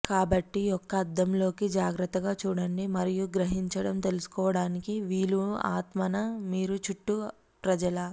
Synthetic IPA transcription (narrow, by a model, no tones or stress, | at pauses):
kaːbɐʈːiɔkːɐːd̪ːɐmlo̞ːkid͡ʒaːɡɾɐt̪ːɐɡaːt͡ʃuːɽɐɳɖimɐɾijuɡɾɐɦiɲt͡ʃɐɽɐmt̪e̞lusu̥kɔːʋɐɽaːnikiʋiːlua̰ːt̪mɐnɐmiːɾut͡ʃuʈːu | pɾɐd͡ʒɐlɐ